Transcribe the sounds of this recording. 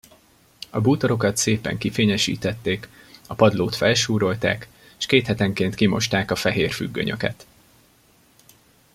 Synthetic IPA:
ɒbuːt̪oɾo̞kɒt̪seːpɛ̰ŋkifeːɲɛʃḭːt̪ɛt̪ːeːk | ɒpɒd̪loːt̪fɛlʃuːɾo̞lt̪a̰ːkː | ʃkeːt̪hɛt̪ɛŋkeːnt̪kimo̞̰ʃt̪aːkɒfɛɦeːrfy̰ɡːø̰ɲø̞̰kɛ̰t̪

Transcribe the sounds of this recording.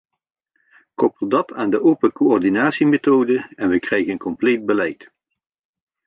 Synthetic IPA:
kɔpəlˠdɑtʰaːndəʔowpəkoɔrdinaːtsimetowdəɛnʋəkrɛjɣənkɔmplejd̚bəlɛjt

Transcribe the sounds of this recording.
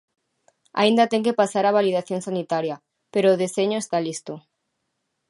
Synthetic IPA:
a̰ind̪at̪eŋkepasaɾaβ̞alið̞aθjoŋsanit̪aɾja | peɾoːð̞eseɲoest̪alist̪o

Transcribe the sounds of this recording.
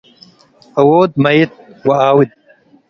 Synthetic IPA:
ɐwoːd̪̚mɐjit̪̚wɐaːwid̪̚

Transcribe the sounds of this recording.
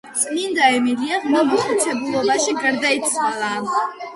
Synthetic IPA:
tt̪sʼmind̪aɛmiɾiaʁmabuχut̪sʰɛbulˠɔbaʃiɡaɾd̪ait̪sʰwalˠaː

